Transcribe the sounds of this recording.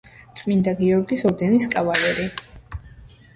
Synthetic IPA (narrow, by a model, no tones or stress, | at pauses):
t̪sʼmind̪aɡiɔɾɡisɔɾd̪ɛniskʼavalɛɾi